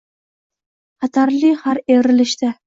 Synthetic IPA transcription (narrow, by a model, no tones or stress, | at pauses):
χɑt̪ʰaɾlɪhaɾevɾɪlɪʃt̪a